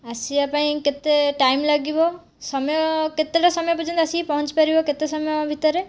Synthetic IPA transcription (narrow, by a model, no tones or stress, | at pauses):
asiapãĩket̪eʈajmlaɡibɔ | sɔmjɔket̪eʈasɔmɔjɔpɔd͡ʒɔnt̪ɔasipɔɦɔnt͡ʃi̥paɾibɔket̪esɔmjɔbʱit̪ɔɾe